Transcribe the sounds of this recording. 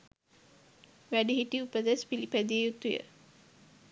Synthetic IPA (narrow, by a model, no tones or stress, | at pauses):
ʋæɖiɦiʈiupəd̪æspilipæd̪iejut̪ːujə̰